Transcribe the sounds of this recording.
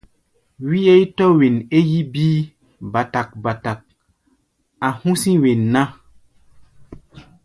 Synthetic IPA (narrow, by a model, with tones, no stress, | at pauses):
wi˦e˦jtɔ˦we˨ne˦ji˦biː˦ | ba˨ta˨k̚ba˨ta˨k̚ | a˨hũ˦sĩ˦we˨nːa˦